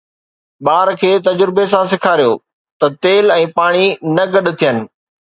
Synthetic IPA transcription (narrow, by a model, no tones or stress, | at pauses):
ɓaːɾkʰeːt̪ɐd͡ʑɾɪbes̬ãsɪkʰaːɾijoː | t̪ɐt̪eːlɛ̃ːpaːɽ̃inɐɡɐɗ̆t̪ʰijənɪ̆